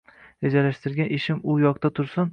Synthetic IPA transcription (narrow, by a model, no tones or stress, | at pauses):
ed͡ʒalaʃt̪ɪɾɡʲaneʃɪmʊjɒqt̪at̪ʰʊɾsʊn